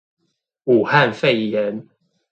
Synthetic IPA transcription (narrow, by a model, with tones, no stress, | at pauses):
u˨˩ha˥˨nfe˥˨ɪjɛ˨˦n